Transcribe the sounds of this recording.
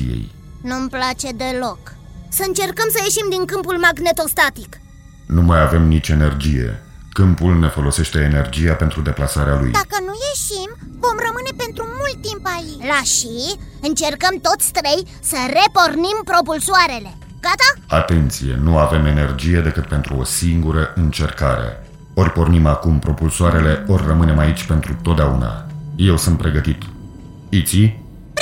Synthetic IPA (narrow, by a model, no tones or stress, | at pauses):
ḭjḛj | numplat͡ʃe̞d̪e̞lo̞k | səɨnt͡ʃe̞rkəmsəje̞ʃimd̪iŋkɨmpulmaɡne̞t̪o̞st̪at̪ik | numajave̞mnit͡ʃe̞ne̞rd͡ʒije̞̰kɨmpulne̞fo̞lo̞se̞ʃt̪e̞ːne̞rd͡ʒijape̞nt̪ɾud̪e̞plasaɾealṵjd̪akənuje̞ʃimvo̞mrəmɨne̞pe̞nt̪ɾumult̪ːimpailaʃiɨnt͡ʃe̞rkəmt̪o̞t̪sʲst̪ɾej | səre̞po̞rnimpɾo̞pulsoaɾe̞le̞ | ɡ̥at̪aat̪e̞nt̪sije̞̰nuave̞me̞ne̞rd͡ʒije̞d̪e̞kɨt̪̚pe̞nt̪ɾuo̞̰siŋɡuɾəʔɨnt͡ʃe̞rkaɾḛ | o̞rʲpo̞rnimakumpɾo̞pulsoaɾe̞le̞o̞rʲːəmɨne̞mait͡ʃʲpe̞nt̪ɾut̪ot̪̚d̪eauna̰je̞wsɨnt̪̚pɾe̞ɡət̪it̪ | it̪si